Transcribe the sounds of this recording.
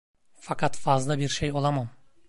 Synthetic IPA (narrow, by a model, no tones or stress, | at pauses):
fakʰat̪fazlˠabiɾʃejo̞lˠamam